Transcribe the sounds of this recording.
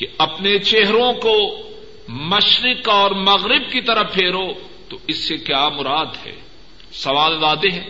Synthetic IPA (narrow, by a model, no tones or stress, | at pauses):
keɐpnet͡ʃeɦɾõko | mɐʃɾɪkɔːɾmɐɣɾɪb̚kit̪ɐɾəpʰeːɾo | t̪oɪsːekjaːmʊɾaːd̪ɦɛ̰ː | sɐʋaːld̪aːd̪eɦɛ̃ː